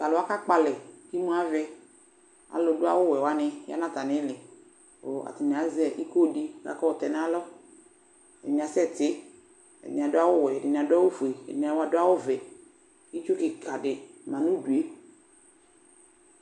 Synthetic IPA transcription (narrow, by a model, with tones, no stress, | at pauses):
ka˨lʊ˨˦a˦ka˦k͡pa˨lɛ˨ki˦mũ˦a˦vɛ˦ | a̰˨lʊ˨dʊ˦a̰˦wʊ˦wɛ˨wa˨˦nɪ˦ja̰˦nã˦˨t̪a˨nɪ˦lɪ˨ | o̰˨a̰˨tɪ˨n˨a˨˦zɛ˨ʔi˦ko˦˨di˦ka̰˨kɔ˦ʊ˨tɛ˨n˦a˦lɔ˦ | ɛ˨dɪ˨n˨a˨˦sɛ˦˨tɪ˦ | ɛ̰˨dɪ˨nɪ̃˨a˨dʊ˦a˦wʊ˦wɛ˨ɛ˨dɪ˨nɪ˨a˨dʊ˦a˦wo˦fu˨e˨ɛ˨dɪ˨n˨a˨wa˨dʊ˦a˦wʊ˦vɛ˨ | i˦t͡ʃʊ˦kɪ˨kʰa˨dɪ˨mã˨nu˦du˨e˦